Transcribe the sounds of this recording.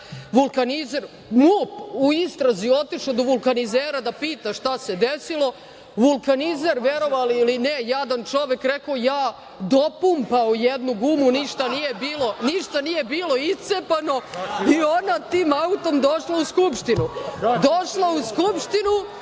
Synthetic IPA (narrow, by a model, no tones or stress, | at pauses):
ʋulˠkanizeɾ | mupuist̪ɾazio̞t̪iʃod̪oʋulˠkanizeːɾad̪apiːt̪aʃt̪ase̞d̪esilˠo̞ | ʋulˠkanizeɾʋeɾo̞ʋalilinejad̪ant͡ʃo̞ʋekɾekojaː | d̪o̞pumpaojed̪nuɡumuniʃt̪anijebiːlo̞niʃt̪anije̞biːlo̞ist̪sepano̞io̞nat̪iːmaut̪o̞md̪o̞ʃlauskupʃt̪inud̪oʃlˠauskupʃt̪inu